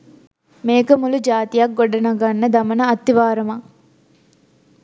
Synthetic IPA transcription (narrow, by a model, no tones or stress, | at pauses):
meːkɐmulud͡ʒaːt̪ijak̚ɡoɖɐnɐɡanːɐd̪ɐmɐnɐɐt̪ːiʋaːɾɐma